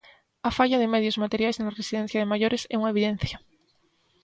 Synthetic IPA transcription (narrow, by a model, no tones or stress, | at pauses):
afaʎaðemeðjozmat̪eɾjajszelaresiðen̟θjaðemaʝoɾesɛ̰uŋaeβiðen̟θja